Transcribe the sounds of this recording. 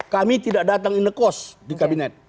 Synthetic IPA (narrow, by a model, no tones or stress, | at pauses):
kamit̪idak̚dat̪aŋinəkɔsdikabinɛt̪̚